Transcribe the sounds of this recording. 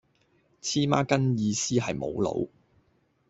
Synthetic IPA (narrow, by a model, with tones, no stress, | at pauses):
t͡sʰiː˥ma̰ː˥kɐ˥njiː˨˧siː˥ɦɐ˨jmo˨˧wlo̰˨˥w